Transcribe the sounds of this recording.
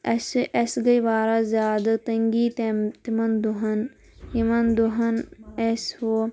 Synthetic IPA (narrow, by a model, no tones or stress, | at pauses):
ɐsʔesɡɐjʋaːɾazjaːd̪ɐt̪ɐŋɡiːt̪emt̪imɐnd̪uɦɐn | jimɐnd̪uɦɐneshoː